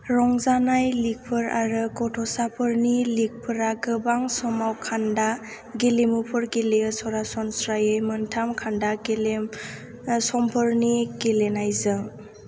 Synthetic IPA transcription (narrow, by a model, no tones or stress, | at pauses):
ɾɔŋzanajlik̚pʰɯɾa̰ɾɯɡɔtʰɔsapʰɯɾnilik̚pʰɯɾaɡɯbaŋsɔmawkʰanda | ɡelemupʰɯɾɡelesɔɾasɔnsɾajɯjmɯntʰamkʰandaɡelem | sɔmpʰɯɾniɡelenajzɯŋ